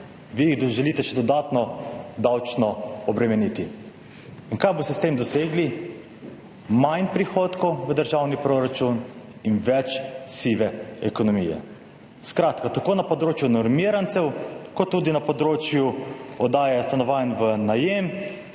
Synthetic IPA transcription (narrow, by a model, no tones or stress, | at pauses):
ʋijiɣʒɛliːt̪ɛʃɛd̪ɔd̪aːt̪nɔd̪awt͡ʃnɔɔbɾɛmɛnit̪i | iŋkajbɔst̪ɛst̪emd̪ɔseːɡli | majnpɾixoːt̪kɔwʋəd̪əɾʒawnipɾoɾat͡ʃun | inʋɛt͡ʃsiʋɛɛkɔnɔmijɛ̰ | skɾaːt̪kat̪akoːnapɔd̪ɾoːt͡ʃjunɔɾmiɾant̪sɛwkɔt̪ːuːd̪inapɔd̪ɾoːt͡ʃjuɔd̪aːjɛst̪anɔʋanʋənajem